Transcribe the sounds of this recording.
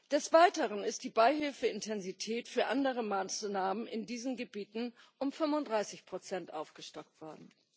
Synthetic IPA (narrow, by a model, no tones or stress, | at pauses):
d̥ɛsv̥aɪtəʁənɪst̚d̥iːbaɪɦɪlfəɪntʰɛnzitʰɛːtfyːɐʔandəʁəmaːsnaːmənɪndiːzn̩ɡəbiːtn̩ʔʊmfʏmvʊntdʁaɪsɪçpʁ̥ot͡sɛntʔaʊfɡ̥əʃtɔk̚tv̥ɔɐdn̩